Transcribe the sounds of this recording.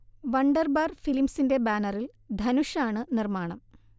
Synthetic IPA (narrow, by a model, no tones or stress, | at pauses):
ʋɐɳɖɐrbaːrfilimsinde̞baːnɐril | d̪ʱɐnuʂaːɳɨnirmaːɳɐm